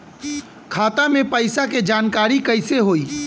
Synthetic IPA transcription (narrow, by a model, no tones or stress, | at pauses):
kʰaːt̪amẽpəɪsaked͡ʒaːnkaːɾikəɪseɦoːiː